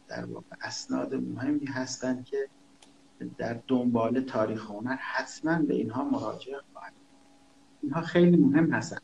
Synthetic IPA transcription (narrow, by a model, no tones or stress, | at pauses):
d̪̥æ̰ɾvɒ̰ːɣ̥e̞ʔæsnɒ̰ːd̪emo̰ɦe̞mːiːɦæst̪ænd̪̚kʰe̞ | d̪æɾd̪ombɒːle̞t̪ʰɒːɾiːxeonæɾhæt̪ʰmænbe̞̰ḭːnɦɒːmoɾɒ̰ːd͡ʒe̞ʔxɒ̰ːhæd̪̥ʃod̪ | inɦɒːxejliːmoɦe̞mːhæst̪æ̰nd̪